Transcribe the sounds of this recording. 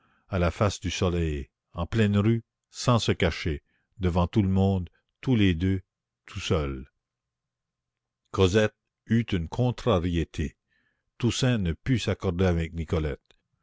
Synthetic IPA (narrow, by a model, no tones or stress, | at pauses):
alafasd̪ysɔlɛj | ɑ̃plɛnɾy | sɑ̃səkaʃe | d̪əvɑ̃t̪uləmɔ̃d̪ | t̪uled̪ø | t̪ʰusœl | kɔzɛt̪̚ | yt̪ynkʰɔ̃t̪ɾaʁiet̪ʰe | t̪usɛ̃nəpysakɔʁd̪eavɛk̚nikɔlɛt̪